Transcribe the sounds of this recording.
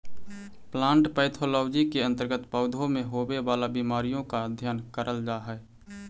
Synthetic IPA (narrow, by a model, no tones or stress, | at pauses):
plãːɳʈpəɪt̪ʰoːlɔːd͡ʒikeə̃nt̪əɾɡət̪pəʊd̪ʱomẽɦoːbewaːlabimaːɾijõkaəd̪ʱjaːnkəɾʔəld͡ʒaːɦɛː